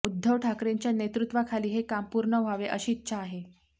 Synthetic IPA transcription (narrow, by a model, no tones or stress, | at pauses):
ud̪ʱːəʋʈʰakɾeɲt͡ɕjanet̪ɾut̪ʋakʰaliːɦekampuɾɳəʋ̤ʱaʋeʔəɕiːt̪ːɕaːɦe